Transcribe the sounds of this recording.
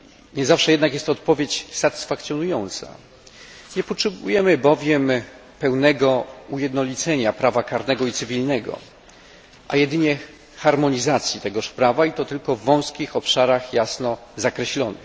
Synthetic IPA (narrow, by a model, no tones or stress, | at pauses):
ɲɛzafʂɛjɛd̪nakjɛst̪ɔt̪̚pɔvʲjet͡ɕsat̪ɘ̥sfak̚t̪sʲjɔnujɔnt̪sa̰ | ɲɛpɔtʂɛbujɛmɘbɔvʲjɛm | pɛwnɛɡɔujɛd̪nɔlʲit̪sɛɲapɾavakaɾnɛɡɔit̪sɘvʲilnɛɡɔ̰ | ʔa̰jɛd̪ɘɲɛ | xaɾmɔɲizat̪sʲjit̪ɛɡɔʂpɾavait̪ɔt̪ɘlkɔvːɔ̃w̃skʲixɔpʂaɾaxjasnɔzakɾɛɕlɔnɘ̰x